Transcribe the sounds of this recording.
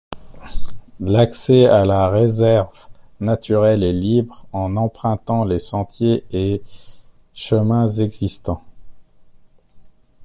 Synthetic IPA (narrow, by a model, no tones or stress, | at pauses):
laksɛalaʁezɛʁvnat̪ʰyʁɛlɛlibʁɑ̃nɑ̃pχɛ̃t̪ɑ̃lesɑ̃t̪jee | ʃəmɛ̃zɛɡzist̪ɑ̃